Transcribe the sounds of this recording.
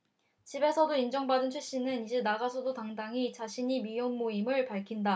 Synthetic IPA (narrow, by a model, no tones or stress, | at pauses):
t͡ɕibe̞sʰʌdoind͡ʑʌŋbadɯnt͡ɕʰweɕ͈inɯnid͡ʑenaɡasʰodotaŋdaŋit͡ɕaɕʰiɲimijoŋmoimɯɭpaɭkʰinda